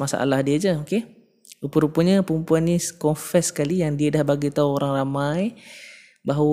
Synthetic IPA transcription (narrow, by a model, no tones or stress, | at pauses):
masa̰ʔa̰lahdiəd͡ʒəoke | upəɾupuəɲəpəɾumpuanːiskɔnfɛsə̥kalijaŋdiədahbaɡit̪auoɾaŋramaj | baɦa